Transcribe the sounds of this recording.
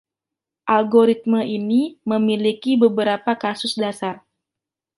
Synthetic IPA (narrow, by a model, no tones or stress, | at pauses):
ʔalɡoɾit̪̚məʔiniməmilikibəbəɾapakasʊsdasar